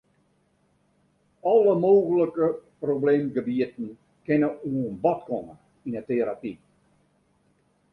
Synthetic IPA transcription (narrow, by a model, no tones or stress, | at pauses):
ɔləmoːɣələkəprobleːmɡəbiətn̩ | kɪnəuənbɔtkɔmə | inəteɾapi